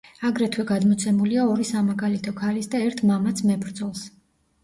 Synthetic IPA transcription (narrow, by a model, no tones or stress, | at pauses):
aɡɾɛt̪ʰwɛɡad̪mɔt̪sʰɛmuliaɔɾisamaɡalit̪ʰɔkʰalisd̪aɛɾt̪ʰmamat̪sʰmɛbɾd̪zɔlˠs